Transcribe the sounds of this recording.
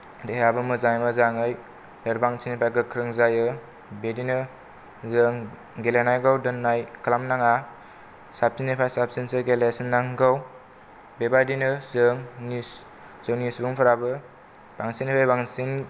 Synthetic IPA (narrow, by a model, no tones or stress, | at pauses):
dejabɯmɯzajmɯzaŋɯj | dəɾbaŋsʰinipʰajɡɯkʰɾɯŋzajɯ | bedinɯ | zɯŋ | ɡelanajɡawdɯnːajkʰalamnaŋa | sap̚sinepʰajsap̚sinseɡelesinːaŋɡaw | bebadinɯzɯŋnis | z̥ɯŋnisbuŋpʰaɾabɯ | b̥aŋsiŋnepʰajbaŋsiŋ